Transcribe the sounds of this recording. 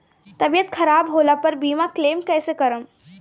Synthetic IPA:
t̪ɐbijət̪kʰɐɾaːbɦoːlapɐɾbiːmakleːmkɛːsekɐɾəm

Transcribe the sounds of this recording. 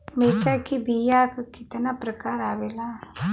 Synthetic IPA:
meːt͡ʃakibijakkɪt̪napɾəkaːɾaːʋeːlaː

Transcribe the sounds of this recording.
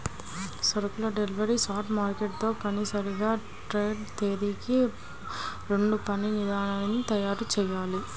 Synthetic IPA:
sɐɾɐkulɐɖeliʋɐɾisaːʈmaːɾkeʈ̚t̪o̞ːpɐnisɐɾiɡaː | ʈɾeːɖt̪eːɾiki | ɾe̞ɳɖupɐninid̪aːɳaɐnit̪ɐjaːɾut͡ʃɛːjaːli

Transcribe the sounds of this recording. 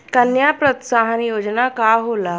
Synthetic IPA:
kənjapɾət̪saɦənjod͡ʒnakaɦola

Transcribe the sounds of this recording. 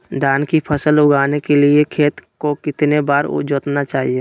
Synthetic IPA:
d̪aːnkipʰəsəlʊɡʱaːnekeliekʰeːt̪kokɪt̪nebaːɾ̰d͡ʒoːt̪nat͡ʃaːɦie

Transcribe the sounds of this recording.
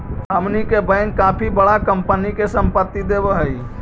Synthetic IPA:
ɦəmnikebəɪnkapʰibəɽakəmpənikesəmpət̪ːid̪ebəɦəi

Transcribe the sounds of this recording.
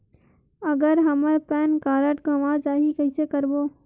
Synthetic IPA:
əɡəɾɦəməɾpɛːnkaːɾəʈɡʱəʋãd͡ʒaːɦikəisekəɾboː

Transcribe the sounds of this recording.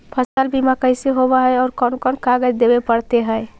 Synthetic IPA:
pʰəsəlbʱimakəɪseɦobaɦɛɔːɾkɔnkɔnkaɡəd͡ʒd̪ebepəɽt̪eɦɛj

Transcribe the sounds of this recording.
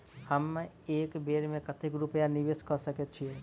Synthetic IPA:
həm | eːkbeːɾmẽkət̪ekɾupəjaniʋeskəsəket̪̚t͡ʃʰie

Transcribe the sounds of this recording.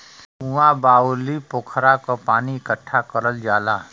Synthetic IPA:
ũãbaːulipʊːkʰɾakopaːniɪkəʈʰːakəɾəld͡ʒaːlaː

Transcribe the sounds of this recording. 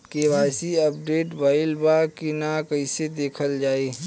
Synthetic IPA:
kebaːsiɐp̚ɖeːʈbaːɪlbakinakɐĩsed̪eːkʰəld͡ʒaːeː

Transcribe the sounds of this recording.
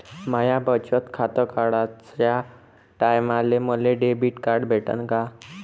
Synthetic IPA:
majabət͡ɕət̪kʰat̪əkaɽat͡sja | ʈajmaleməleɖebiʈkaɾɖbʱeʈə̰nka

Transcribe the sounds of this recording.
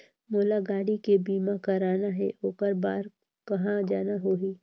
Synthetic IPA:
moːlaɡaːɽikebiːmakɐɾaːnaɦɛ̰oːkəɾbaːɾ | kɐɦãd͡ʒaːnaɦoːiː

